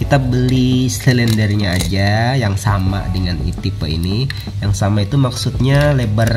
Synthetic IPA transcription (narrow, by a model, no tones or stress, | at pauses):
kit̪abəlisləlɛndərɲaːd͡ʒajaŋsama̰dəŋanḭt̪ipəḭni | jaŋsamait̪umaksut̪̚ɲalebər